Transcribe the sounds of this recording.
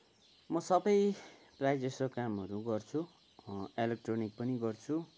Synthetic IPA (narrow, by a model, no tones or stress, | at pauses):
mʌsʌbʌj | prajd͡zʌsokamɦʌɾuɡʌrt͡sʰu | elek̚ʈronik̚pʌniɡʌrt͡sʰu